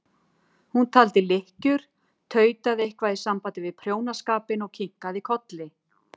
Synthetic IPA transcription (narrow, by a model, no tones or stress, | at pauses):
hunt̪ʰaːlt̪ɪlɪhcʏɾ̥ | t̪ʰœːɥt̪aðɪehkvaðisampajt̪ɪvɪðpʰɾjoːwnaskaːpɪnɔɣcʰiŋkaðikʰɔt̪lɪ